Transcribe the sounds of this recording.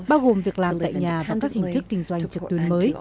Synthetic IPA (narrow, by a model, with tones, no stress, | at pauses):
ɓaː˧wɣo˨˩mvi˨˩ək̚laː˨˩mt̪a̰ː˧˨jɲaː˨vaː˨˩kaː˦˥k̚hï˨˩ŋt̪ʰk̚ï˧ŋ̟zwa˧jŋ̟t͡ɕɨ˨˩t̪i˨˦nməː˨˦j